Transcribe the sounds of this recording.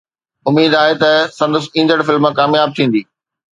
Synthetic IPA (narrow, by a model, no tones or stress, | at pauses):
ʊmiːd̪aːɦet̪ɐsɐ̃nd̪əsĩːnd̪əɽfɪlmãkaːmjaːb̚t̪ʰĩːnd̪iː